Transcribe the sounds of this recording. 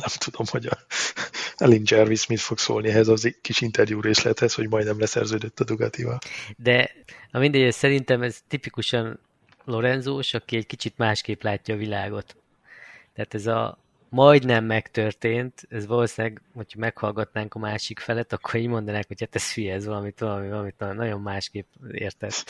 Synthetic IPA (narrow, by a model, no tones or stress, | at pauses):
nɛmt̪ʰud̪o̞mho̞ɟɒ | ɛlind͡ʒɛrvismit̪fokso̰ːlniɛɦɛzɒzkiʃint̪ɛrjuːɾeːslɛt̪hɛsho̞ɟmɒjd̪nɛmlɛsɛ̰rzøːd̪øt̪ːɒd̪uɡɒt̪ivɒld̪ɛɒmind̪ɛɟɛssɛɾint̪ɛmɛzt̪ipikuʃɒn | lo̞ɾɛnzoːʃɒkiɛckit͡ʃit̪maːʃkeːplaːcːɒːvilaːɡo̞t̪ | t̪ːɛaːt̪ɛzɒ̰ | mɒjd̪nɛmːɛkt̪ørt̪eːnt̪ɛzʋɒloːsinɛɡho̞cʰhɒmɛkhɒlɡɒt̪naːŋkɒmaːʃikfɛlɛt̪ɒkːoɾiːɟmo̞nd̪ɒnaːkho̞chat̪ɛsfyjɛːzʋɒlɒmit̪ʋɒlɒmivɒlɒmit̪nɒnːɒɟo̞mːaːʃkeːpḛːrt̪ɛs